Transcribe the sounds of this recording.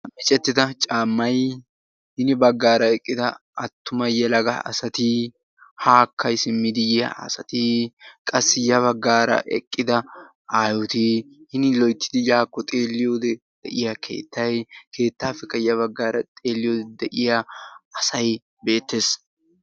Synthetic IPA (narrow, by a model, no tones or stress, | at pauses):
mɪt͡ʃʼɛt̪ːɪd̪ɐt͡ʃʼaːmːɐj | hɪnɪbɐɡːaːɾɐɛkʼːɪd̪ɐɐt̪ːʊmɐjjɛlɐɡɐɐ̰sɐt̪ɪ | haːkʰːɐjsɪmːɪd̪ɪjɐ̰ɐ̰sɐt̪ɪkʼɐsːɪjɐβɐɡːaːɾɐ̰ʔɛ̰kʼːɪd̪ɐ | aːjɔt̪ɪhɪnɪlɔjt̪ːɪ̥d̪ɪjaːkːɔt̪ʼe̞ːlːɪjoːd̪ɛ | d̪̥ɛʔɪjɐkʰe̞̰ːt̪ːɐjkʰe̞ːt̪ːaːfɛkːɐjɐβɐɡːaːɾɐt̪ʼe̞ːlːɪjoːd̪ɛd̪ɛʔɪjɐɐsɐj | be̞ːt̪ːeːs